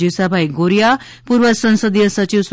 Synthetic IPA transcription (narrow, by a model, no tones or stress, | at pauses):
isabʱaiɡoɾija | puːɾʋəsə̃ñsəd̪ijəsət͡ɕiʋs